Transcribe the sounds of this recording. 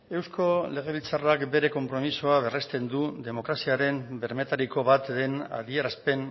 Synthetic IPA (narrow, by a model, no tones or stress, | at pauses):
e̞wsko̞le̞ɣ̞e̞βilt͡sarakbe̞ɾe̞ko̞mpɾo̞misoaβe̞rest̪e̞nd̪ud̪e̞mo̞kɾasiaɾe̞mbe̞ɾme̞t̪aɾiko̞βat̪d̪e̞na̰ðie̞ɾaspe̞n